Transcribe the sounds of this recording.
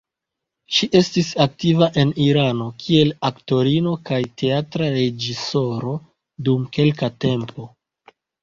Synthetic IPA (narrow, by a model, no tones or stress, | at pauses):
ʃiʔe̞stisak̚tivaʔe̞niɾano̞kʰie̞lakto̞ɾino̞kajte̞atɾaɾe̞d͡ʒiso̞ɾo̞ | dumke̞lkate̞mpo̞